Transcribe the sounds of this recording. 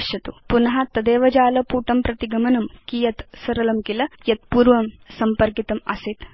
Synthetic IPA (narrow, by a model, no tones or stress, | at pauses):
ʃjɐt̪upunɐɦɐt̪ɐd̪eːʋɐd͡ʒaːlɐpuːʈɐmpɾɐt̪iɡɐmɐnɐmkijɐt̪sɐɾɐlɐmkilɐjɐt̪̚puːɾʋɐmsɐmpɐɾkit̪ɐmɐ̰sit̪